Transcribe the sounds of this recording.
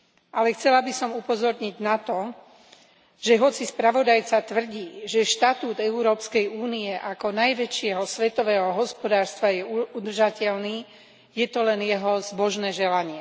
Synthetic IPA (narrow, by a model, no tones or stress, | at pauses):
ʔalɛxt͡sɛlabisɔmupɔzɔɾɲiɟnat̪ɔ | ʒ̥ɛɦɔt͡sispɾaʋɔd̪ajt͡sat̪ʋr̩ɟiːʒɛʃt̪at̪uːd̪ɛuɾɔːpskɛjuːniɛʔakɔnajʋɛt͡ʃɪɛɦɔsʋɛt̪ɔʋɛːɦɔɦɔspɔd̪aːɾst̪ʋajɛud̪r̩ʒacɛʎniː | jɛt̪ɔlɛnjɛɦɔzbɔʒnɛːʒɛlaɲɪɛ